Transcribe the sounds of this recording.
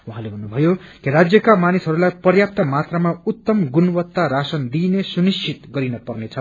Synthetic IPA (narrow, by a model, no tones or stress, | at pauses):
uɦãlebʱʌnːubʱʌjokiɾad͡zjʌkamanisɦʌɾulajpʌrjap̚t̪amat̪ramaut̪ːʌmɡunwʌt̪ːaɾasʌnd̪inesunist͡ʃʰit̪ɡʌɾinʌpʌrnet͡sʰʌ